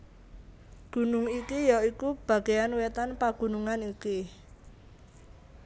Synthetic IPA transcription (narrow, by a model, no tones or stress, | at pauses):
ɡ̥ṳnʊŋikijɔikub̥a̤ɡ̥ejanwet̪anpaɡ̥ṳnuŋaniki